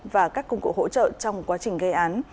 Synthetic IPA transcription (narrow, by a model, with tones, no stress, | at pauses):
vaː˨˩kaː˦˥kːʊ˧wŋ͡mkṵ˧˨ho̰˧˥t͡ɕə̰ː˧˨t͡ɕɔ˧wŋ͡mkwaː˨˦t͡ɕï˨˩ŋ̟ɣə˧ʔaː˨˦n